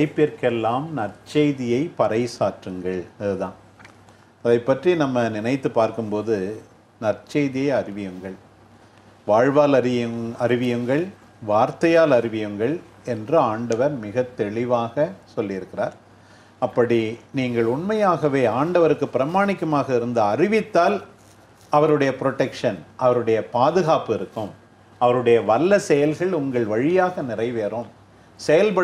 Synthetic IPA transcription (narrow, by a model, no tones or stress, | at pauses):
ɐɪpːɪɾkɛlːaːmnɐrt͡ʃeɪðɪjɐɪpɐɾɐɪsaːʈrɯŋɡɐɭɐðɯðãː | ɐðɐɪpːɐʈrinɐmːɐnɪnɐɪt̪ːɯpːaːɾkɯmpoːðɯ | nɐrt͡ʃɛɪðɪjɐɪɐrɪʋɪjɯŋɡɐɭ | ʋaːɻʋaːlɐɐɾɪʋɪjɯŋɡɐɭ | ʋaːɾt̪ɐjaːlɐɾɪʋɪjɯŋɡɐɭ | ɛndrɯaːɳɖɐʋɐɾmɪɣɐt̪ːɛɭɪʋaːɣɐsɔlːɪɪɾɯkːɪraːɾ | ɐpːɐɽiniːŋɡɐɭʊɳmɐjaːɣɐʋeːaːɳɖɐʋɐɾɯkːɯpːɪɾɐmaːɳɪkːɐmaːɣɐɪɾɯnd̪ɯɐrɪʋɪt̪ːaːl | ɐʋɐɾɯɽɐjɐpɪɾɔʈːɛkʂɐnʔɐʋɐɾɯɽɐjɐpaːðɯɣaːpɪɾɯkːɯm | ɐʋɐɾɯɽɐjɐʋɐlːɐsɛjɐlɣɐɭʊŋɡɐɭʋɐɻɪjaːɣɐnɪrɐɪʋeːɾoːm | sɛjɐlpɐ